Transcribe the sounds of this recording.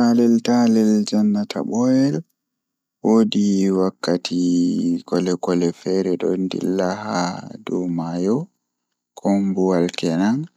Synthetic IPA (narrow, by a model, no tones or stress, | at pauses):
alɛltalɛld͡ʒanːatʰa̰ɓɔjɛl | wodiwakːatʰikɔlɛkɔlɛfɛɾɛɗɔndḭlːaha̰dɔmajɔ | kɔmbuwalkɛnan